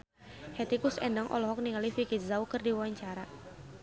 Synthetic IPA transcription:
hɛt̪ikusɛndaŋʔɔ̰lɔɦɔk̚niŋalifikizaukɨrdiwaaɲt͡ʃaɾa

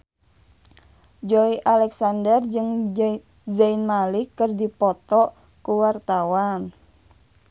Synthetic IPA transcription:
d͡ʒɔiʔalɛksandərd͡ʒɨŋ | zainmalikːɨrdipɔt̪ɔ | kuwart̪awan

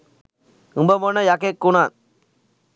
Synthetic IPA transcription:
ɯmbɐmonːɐjakekːunaːn

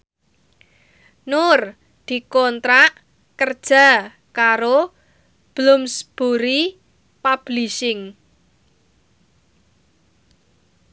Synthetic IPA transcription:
nʊr | d̪̥i̤kɔnt̪ɾaʔ | kərd̥ʒ̥a̤ | kaɾo | b̥lʊmsb̥oɾi | pab̥liʃɪŋ

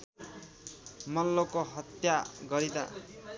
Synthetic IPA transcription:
mʌlːokoɦʌt̪jaɡʌɾid̪a̰

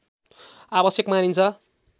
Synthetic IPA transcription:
abʌsjʌkmanint͡sʰʌ

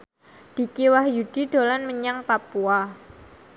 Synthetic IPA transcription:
d̪̥i̤kewahjud̥i̤ɖ̪̥o̤lanməɲaŋpapua

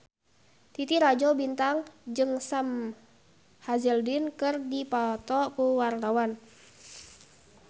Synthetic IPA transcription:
t̪it̪iɾad͡ʒɔbint̪aŋd͡ʒɨŋsam | hazɛldinkɨrdipat̪ɔkuwart̪awan

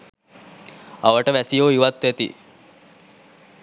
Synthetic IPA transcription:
aʋəʈəʋæsijoːiʋat̪ʋæt̪ḭ

